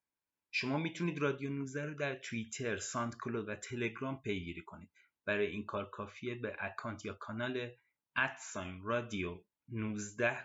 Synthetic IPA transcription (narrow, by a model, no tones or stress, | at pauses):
ʃo̞mɒːmiːt̪ʰuniːd̪rɒːd̪ijonuzd̪æɾoːd̪æɾt̪ʰuit̪ʰeɾsɒnd̪kʰolovæt̪ʰe̞le̞ɡɾɒːmpʰe̞jɡiːɾiːkʰo̞niːd̪̥ | b̥æɾɒːjeiːŋnkʰɒːɾkʰɒːfiebeʔækʰɒːnt̪ʰjɒːkʰɒnɒːle | ʔæt̪sɒjmrɒːd̪io | nuːzd̪æh